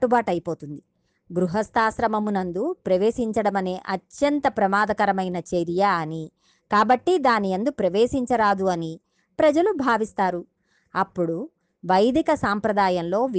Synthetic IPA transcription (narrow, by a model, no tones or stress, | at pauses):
ʈubaːʈɐjipoːt̪und̪i | ɡɾuɦɐst̪aːsɾɐmɐmunɐnd̪upɾɐʋeːʃiɲt͡ʃɐɽɐmɐne̞ːʔɐtːjɐnt̪ɐpɾɐmaːd̪ɐkɐɾɐmɐjnɐt͡ʃeɾjɐːni | kaːbɐʈːid̪aːniɐnd̪upɾɐʋeːʃiɲt͡ʃɐɾaːd̪uɐni | pɾɐd͡ʒɐlubʱaːʋist̪aːɾu | ɐpːuɽu | ʋɐjd̪ikɐsaːmpɾɐd̪aːjɐmlo̞ːʋ